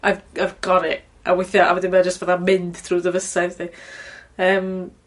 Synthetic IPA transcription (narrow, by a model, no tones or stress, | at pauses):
avavɡ̥ɔɾɪ | ʔa̰wɪθjɔʔa̰wɛdɪmad͡ʒəstvaðamɪnd̥tʰruːdəvəsaðtʰi | əːm